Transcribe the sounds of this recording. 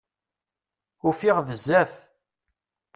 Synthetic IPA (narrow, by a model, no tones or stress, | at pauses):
ʊfiʁvəzːæf